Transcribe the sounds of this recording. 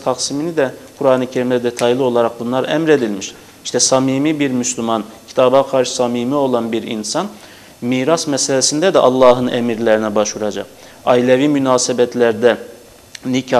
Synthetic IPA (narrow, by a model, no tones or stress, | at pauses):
t̪ʰaqsiminid̪ɛkʰuɾaːnɯcʰeɾimd̪ɛd̪et̪ʰajlˠio̞lˠaɾak̚bunlˠaɾɛmɾe̞d̪ilʲmiʃ | iʃt̪ʰɛsamiːmiːbiɾmyslʲumancʰi̥t̪ʰaːbaqʰaɾʃɯ̥samiːmio̞lˠanbiɾḭnsan | miːɾasmɛselʲesind̪ɛd̪ɛʔɑlˠːɑːɦɯnɛmiɾlʲeɾinɛbaʃvuɾad͡ʒa̰q̚ | ailʲeviːmynaːsebɛt̪ʰlʲæɾd̪ɛ | nicʰa